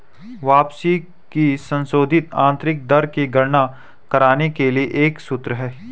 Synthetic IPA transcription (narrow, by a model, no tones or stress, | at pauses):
ʋaːpsi | kisə̃nsoːd̪ʱɪt̪ã̰ːnt̪ɾɪk̚d̪ɐɾkiɡʱɐɾna | kɐɾaːnekelieʔeːksʊt̪ɾəɦɛː